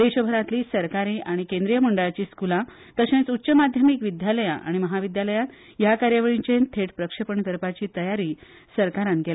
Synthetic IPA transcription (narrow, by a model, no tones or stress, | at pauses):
d̪eɕəbʱəɾãt̪liːsəɾkaɾiːʔaɽ̃ikẽnd̪ɾijəməɳɖəɭat͡ɕiːskulã | t̪əɕẽt͡sutːɕəmad̪ʱjəmikʋid̪jaləjã̰ʔa̰ɽ̃iməɦaʋid̪jaləjãn | jakaɾjaʋəɭĩɲt͡ɕẽnt̪ʰeʈpɾəkʂəpəɳt̪əɾpat͡ɕiːt̪əjaɾiː | səɾkaɾãnɡela